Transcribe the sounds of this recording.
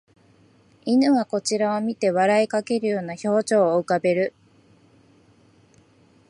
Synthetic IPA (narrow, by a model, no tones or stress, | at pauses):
inɯ̟ɡako̞t͡ɕiɾaomʲit̪e̞βaɾaikake̞ɾɯ̟jo̞ːnaço̞ːt͡ɕo̞ːɯ̟kabe̞ɾɯ̟